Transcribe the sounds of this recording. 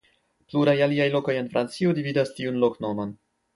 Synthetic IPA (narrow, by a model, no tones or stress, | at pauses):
pluɾajaliajlo̞ko̞je̞nfɾʔant͡sio̞dividastiunlo̞kno̞mon